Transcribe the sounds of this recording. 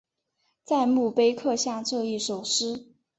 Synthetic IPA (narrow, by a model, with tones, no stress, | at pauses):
t͡sa˥˧ɪmu˥˩pe˥ɪkʰɤ˥˧ɕja˥˧ŋʈ͡ʂɤ˥˧i˥˩ʂo˨˩ʊʂɻ̩˥